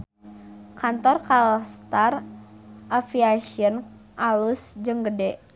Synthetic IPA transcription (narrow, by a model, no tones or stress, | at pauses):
kant̪ɔrkalst̪ar | ʔafiasiənʔalusd͡ʒəŋɡədɛʔ